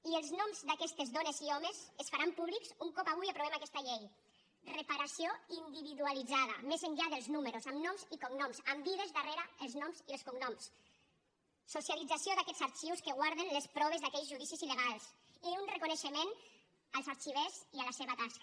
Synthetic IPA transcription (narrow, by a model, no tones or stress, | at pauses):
ielˠznɔmzd̪akɛst̪ezðɔneziɔmesesfaɾampuβliksuŋkɔpaβujapɾuβemakɛst̪aʎej | repaɾasioind̪iβiðualid͡zaða̰mezəɲʎaðəlˠznuməɾusamnɔmzikuŋnɔmsambiðezðareɾaəlˠznɔmziəlskuŋnɔms | sːusjalid͡zasioðakɛzaɾt͡ʃiwskeɣwaɾðenlespɾɔβezðakɛʎzʒuðisizileɣalˠs | iunrekuneʃemen | alˠzaɾt͡ʃiβ̞ezialaseβat̪ask